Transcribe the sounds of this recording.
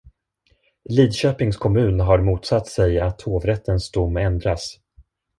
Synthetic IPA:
liːd̪ɕøːpɪŋskʰɔmʉ̟ːnɦaɾmuːt̪sat̪ːsɛjat̪hoːvɾɛt̪ːənsd̪ʊmːɛnd̪ɾas

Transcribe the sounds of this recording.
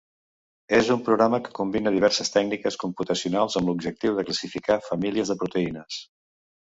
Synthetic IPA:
ezumpɾuɣɾaməkə̥kumbinəðiβ̞ɛɾsəst̪ɛɡ̚nikəskumput̪əsiunalˠzəmblubʒək̚t̪iwðəkləsifikafəmiliəzðəpɾut̪əinəs

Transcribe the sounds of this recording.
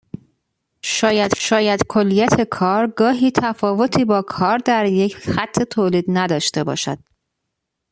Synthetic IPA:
ʃɒːjæd̪̥ʃɒːjæd̪̥kʰolːijæt̪ʰe̞kʰɒːɾɡɒːɦiːt̪ʰæfɒːvo̞t̪ʰiːbɒːkʰɒːɾd̪æɾje̞cʰxæt̪ʰːet̪ʰoːliːd̪næd̪ɒːʃt̪e̞bɒ̰ːʃæ̰d̪̥̚

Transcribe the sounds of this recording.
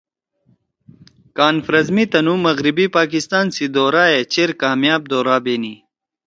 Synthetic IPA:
kaːnfɾɐzmit̪ɐnumɐɣɾibipaːkist̪aːnsid̪oːɾaːet͡ɕeɾkaːmjaːb̚d̪oːɾaːbeːni

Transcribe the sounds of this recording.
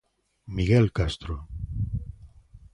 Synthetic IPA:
miɣelkast̪ɾo

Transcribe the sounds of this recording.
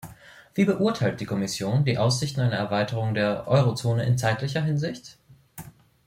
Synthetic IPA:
v̥iːbəʔuɐtʰaɪlt̚d̥iːkʰɔmɪsjoːndiːʔaʊs̬z̥ɪçtn̩aɪnəɛɐvaɪtəʁ̞ʊŋdeːɐʔɔʏʁ̞ot͡soːnəʔɪ̰nt͡saɪtlɪçɐɦɪnzɪçt

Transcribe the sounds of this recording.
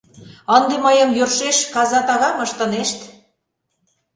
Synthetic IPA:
ənd̪eməjəmjørʃeʃkɑzɑt̪ɑɣɑməʃt̪ə̆neʃt̪

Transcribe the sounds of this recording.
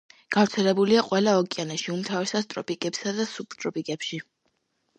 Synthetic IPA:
ɡ̥avɾt̪sʰɛlɛbuliaqʼwɛlˠaɔkʼianɛʃiumt̪ʰavɛsast̪ʼɾɔpʼikʼɛpsad̪asupʰt̪ʼɾɔpʼikʼɛpʃi

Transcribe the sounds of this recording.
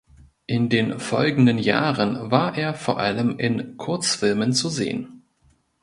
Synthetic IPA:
ʔɪndeːnfɔ̰lɡŋ̩dənja̰ːʁənvaːɐʔeːɐfoːɐʔaləmʔɪnkʰʊɐt͡sfɪlmənt͡suzḛːə̰n

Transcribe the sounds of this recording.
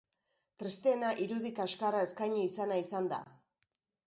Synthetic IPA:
t̪ɾest̪eːnaʔiɾuðikaskarae̞skajɲiisanaisand̪a̰

